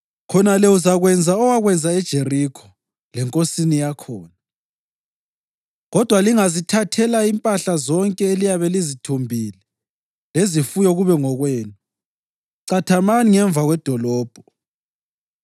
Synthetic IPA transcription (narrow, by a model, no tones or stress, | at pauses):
kʰɔnalɛuzaɣwɛnd͡zʱaɔwaɣwɛnd͡zʱaɛd̥ʒ̥ʱerikʰɔ̥ | lɛŋkʼosinijakʰɔːna | ɣɔd̥ʱwaliŋazitʰatʰɛlaimpʼaɬazɔŋkʼɛelijaβɛlizitʰumbʱilɛ | lezifujɔɣuβɛŋɔɣweːnu | ǀatʰamaniŋɛɱbvʱaɣwɛd̥ʱɔlɔːb̥ʱɔ